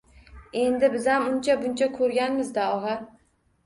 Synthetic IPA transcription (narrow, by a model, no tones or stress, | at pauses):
e̞nd̪ɪbɪzamʊnt͡ʃʰabʊnt͡ʃʰakʰɵɾɡʲanmɪzd̪aɒʁɑ